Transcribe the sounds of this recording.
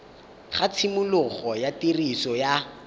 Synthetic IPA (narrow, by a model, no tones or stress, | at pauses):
χat͡sʰimʊlʊχɔjatirisɔja